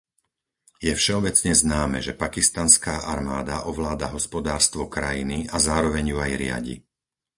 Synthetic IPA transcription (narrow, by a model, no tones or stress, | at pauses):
jɛfʃɛɔbɛt͡sɲɛznaːmɛ̰ʒɛpakist̪anskaːʔaɾmaːd̪aʔɔʋlaːd̪aɦɔspɔd̪aːɾst̪ʋɔkɾajiniazaːɾɔʋɛɲjuajɾɪa̰ɟḭ